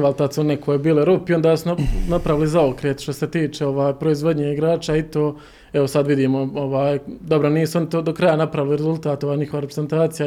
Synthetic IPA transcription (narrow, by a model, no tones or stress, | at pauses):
ʋalˠt̪at̪suonnekʰojebiːleɾupio̞nd̪aːsunapɾaʋilizaokɾeːt̪ʃt̪o̞se̞t̪iːt͡ʃeo̞ʋaːjpɾo̞izʋo̞d̪ɲeːiɡɾaːt͡ʃait̪oː | eʋo̞sad̪ʋid̪iːmooʋaːjd̪o̞bɾoniːsuonit̪oːd̪okɾajanapɾaʋiliɾezulˠt̪aːt̪o̞ʋaːjɲixoʋaɾepɾeze̞nt̪aːt̪sija